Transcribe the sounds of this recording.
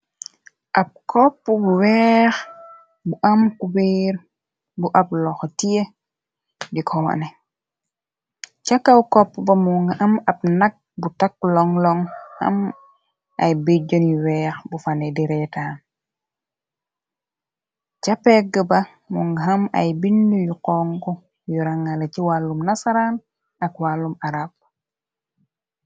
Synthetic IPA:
ʔap̚kʰɔpːɔbuwɛːx | buʔamkubeɾ | buʔap̚lɔxtije | dikʰɔwa̰nɛ | t͡ʃakːawkɔpːɔbɐmuŋɡaʔɐmɐp̚nak̚butak̚lɔŋlɔŋhɐ̰m | a̰jbiɟɔnjuwɛːxbufanɛdiɾɛtaːn | t͡ʃapɛɡəbɐ | muŋɡɦama̰jbindujuqɔŋkɔ | juɾaŋaleciwalːumnasaɾan | akwalːumaɾab̚

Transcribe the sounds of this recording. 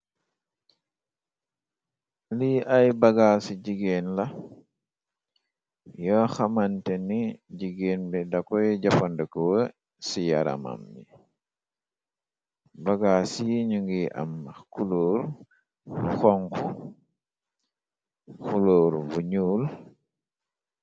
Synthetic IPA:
liʔajbaɡaːsiɟiɡeːnla | jɔxamantɛniɟiɡeːnbɛdakɔjɟafɔndɛkɔwə | sijaɾa̰ma̰mjḭ | baɡasiɲuŋɡiʔa̰mːakuloːɾ | uxɔŋku | xuloːɾvuɲuːl

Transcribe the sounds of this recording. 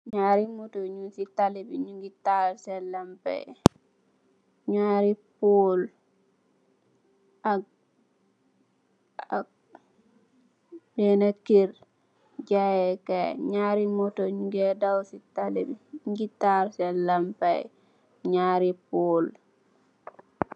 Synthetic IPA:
ɲaɾimɔtoɲunsitalibiɲuŋɡitaɾsɛlampa̰j | ɲaɾipol | ak̚ | a | bɛnakiɾ | d͡ʒajɛkaɲaɾimɔtoɲuɡɛdawsitalibiɲuɡitaɾsɛlampaj | ɲaɾipoːl

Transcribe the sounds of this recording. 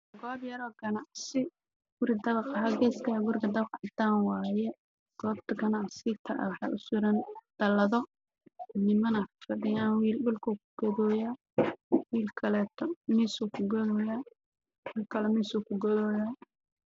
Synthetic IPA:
ɡɔːbjɐɾɔːɡɐnɑʕsɪ | ɡ̥ʊɾɪd̪ɐβɑqɐɦaɡɛːskʰɐɡʊrkʰɐd̪ɐbqʕɑd̪aːnwɑːjɛ | ɡ̥ɔːbt̪ʰɐɡɐnaʕsɪt̪ʰɐ̰ʔwɑħɑ̰ʔʊ̰sʊɾɐnd̪̥ɐlɐðɔ | nɪmɐnɐfɐɖɪjaːnwiːlɗʊlkʰuːkʰʊɡ̥ɔðɔːjaː | wiːlkʰɐlɛːt̪ʰɔmiːsukʰʊɡɔðɔjaː | ʊlkʰɐlɛmiːsuːkʰʊɡɔðɔːjaː

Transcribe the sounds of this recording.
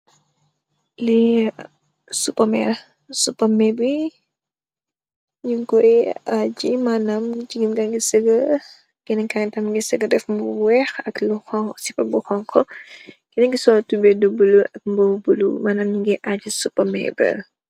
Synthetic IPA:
li | supɐmɛ̰ | supɐmɛbi | ɲuɡɔjad͡ʒimanɐmd͡ʒiɡinɡaŋɡisəɡɐ | kɛnɛŋkaŋtɐmɡisəɡədɛfmbuwɛxɐkluxɔŋsipɐbuxɔŋkʰɔɡ̥inɛŋɡisɔltubɛdubuluʔɐk̚mbubulṵmanɐmɲuɡɛʔad͡ʒisupɐmɛ̰bɛ̰

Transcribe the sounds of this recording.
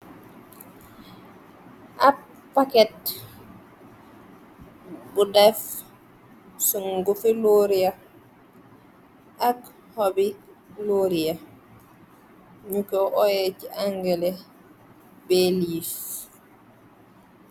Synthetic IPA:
ʔa | pːakɛt | budɛf | suŋɡufiloɾia | ʔak | hɔbiloɾia | ɲukɛwʔɔjɛt͡ʃiʔaŋɡɛlɛ | bɛliːs

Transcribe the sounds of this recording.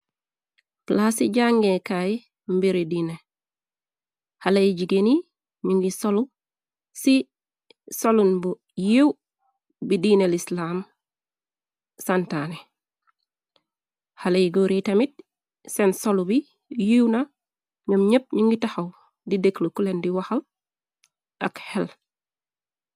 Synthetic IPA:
plasiɟaŋɡekaji | mbiɾidine | halejɟiɡeni | ɲuŋɡisolu | si | solunbu | jiw | bidinelislam | santane | halejɡoɾitɐmit̚ | sensolubi | jiwna | ɲəmɲəp̚ɲiŋɡitɐxɐw | dideklokulendiwɐxɐl | ɐ̰khel

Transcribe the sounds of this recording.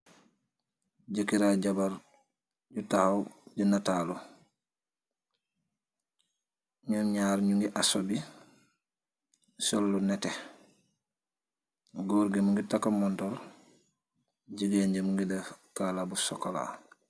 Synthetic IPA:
ɟəkiɾaɟabaɾ | ɟutahawɟunataːlu | ɲuɲaːɾɲuŋɡiʔasobi | sɔlːunɛtɛ | ɡɔɾɡemuŋɡitakːamɔntɔl | ɟəɡeɲɟemuŋɡidakaːlabusɔkɔla̰

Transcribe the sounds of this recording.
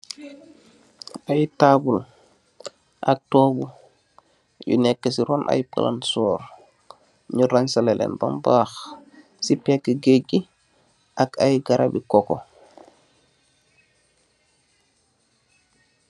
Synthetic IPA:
ajtaːbul | ʔak̚tɔːbu | jṵnɛkːəs̬iɾɔːnʔa̰jpə̰la̰nsɔːɾ | ɲuɾansalelʔḛnbo̰mbaːx | sipɛkːəɡeɟi | ʔakajɡaɾabikɔko̰

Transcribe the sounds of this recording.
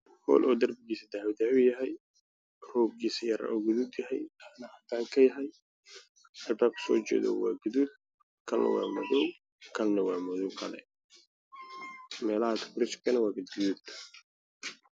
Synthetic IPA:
hɔ̰ːlʔɔːd̪ɐrbɪɡiːsɐd̪aʕwd̪aːʊjɐɦɛj | rɔːb̚ɡiːsɐjɐɾɐ̰ʔɔːɡʊðud̪jɐɦɛjnɐhɐt̪ʰaːŋkʰɐjɐɦɛj | ɐlbaːb̚kʰɐ̥sɔːt͡ʃɛ̰ːðɔ̰waːɡʊðud̪̚ | kʰɐlnɐ̰wa̰ːmɔ̰ðɔw | kʰɐlnɐwaːmɔðɔwkʰɐlɛ̰ | mɛːlɐhɐt̪ʰʊ̥kɾɪt͡ʃkʰɐnɐwaːɡɐd̪ɡʊðud̪

